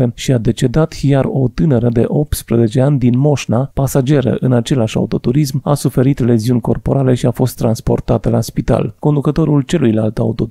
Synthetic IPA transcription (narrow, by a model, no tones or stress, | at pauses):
eʃiad̪e̞t͡ʃe̞d̪at̪jaro̞t̪ɨnəɾəd̪e̞̰ʔo̞p̚t̪spɾəze̞t͡ʃe̞anʲd̪inmo̞ʃnapasad͡ʒe̞ɾə̰ʔɨnat͡ʃe̞leaʃʲa̰ut̪o̞t̪uɾisma̰sufe̞ɾit̪le̞ziunʲko̞rpo̞ɾale̞ʃiafo̞st̪ːɾanspo̞̰rt̪at̪əlaspit̪a̰lko̞nd̪ukət̪o̞ɾult͡ʃe̞lujlalt̪aut̪o̞